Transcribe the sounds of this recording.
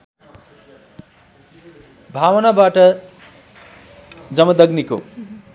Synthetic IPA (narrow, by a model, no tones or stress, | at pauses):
bʱawʌnabaʈʌ | d͡zʌmʌd̪ʌɡniko̰